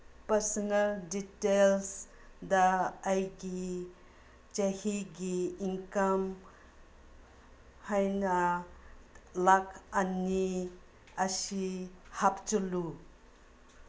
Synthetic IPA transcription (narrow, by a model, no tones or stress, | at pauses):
pɐɾsɔnɐlditels | dɐːjɡi | t͡ʃɐhiɡiːŋkɐm | hajnɐ | lakɐni | ɐsihap̚t͡ʃulu